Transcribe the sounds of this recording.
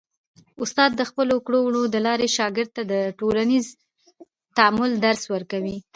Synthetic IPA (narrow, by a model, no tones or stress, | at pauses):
ʊst̪ɑd̪̚ːəxpəlokɽowɽod̪əlɑɾeʃɑɡɪɾd̪̚t̪ad̪əʈolaniz | t̪aamʊld̪aɾswəɾkawi